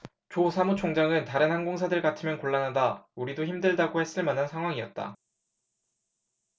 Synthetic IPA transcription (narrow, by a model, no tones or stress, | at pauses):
t͡ɕosʰamut͡ɕʰoŋd͡ʑaŋɯntaɾɯnhanɡoŋsʰadɯɭkatʰɯmjʌnkoɭːanɦadauɾidoçimdɯɭdaɡohe̞s͈ɯɭmanɦansʰaŋɦwaŋiʌt̚t͈a̰